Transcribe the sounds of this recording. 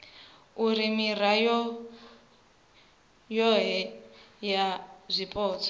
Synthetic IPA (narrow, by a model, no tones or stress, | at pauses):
uɾimirajɔ | jɔɦɛjazʷipʼɔːt͡sʰɔ̥